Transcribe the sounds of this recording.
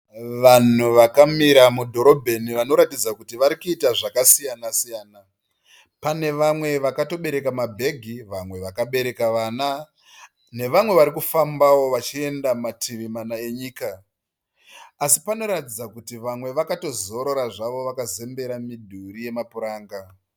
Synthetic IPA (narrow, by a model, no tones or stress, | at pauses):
ʋan̤uʋakamiɾamudʱo̞ɾo̞bʱe̞niʋano̞ɾatid͡zakutiʋaɾikuitaʐakasijanasijaːna | pane̞ʋamwe̞ʋakato̞ɓe̞ɾe̞kamabʱe̞ɡʱiʋamwe̞ʋakaɓe̞ɾe̞kaʋaːna | ne̞ʋamwe̞ʋaɾikufambawo̞ʋat͡ʃie̞ndamatʰiʋimanae̞ɲiːka | sipano̞ɾatid͡zakutiʋamwe̞ʋakato̞zo̞ɾo̞ɾaʐaʋo̞ʋakaze̞mbe̞ɾamidʱuɾije̞mapuɾaːŋɡa